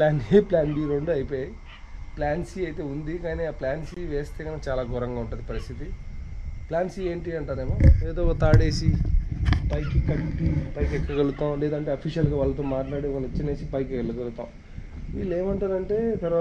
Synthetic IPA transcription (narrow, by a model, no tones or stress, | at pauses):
plaːnplaːnbiɾoɳɖuɐjipoːjaji | plaːnsiːɐjt̪e̞ːund̪ikaːniːaːplaːnsiiʋeːst̪eːkɐnat͡ʃaːlaːɡʱɔɾɐŋɡaːuɳʈunːd̪ipɐɾist̪ʰit̪i | plaːnsiːeːɳʈiɐɳʈaːɾeːmoːeːd̪o̞ːt̪aːɽe̞ːsi | pɐjkikɐɳʈipɐjkɛkːɐɡɐlut̪aːwlɛːd̪ɐɳʈe̞ːɐpʰiʃʂjɐlɡaːʋaːlːɐt̪̬oːmaːʈlaːɽeːʋaːlɐit͡ʃːɐne̞ːsipɐjkkɐlːɐɡɐlut̪a̰ːw | ʋḭːleːmɐɳʈaːɾɐɳʈe̞ːt̪ɐɾʋaː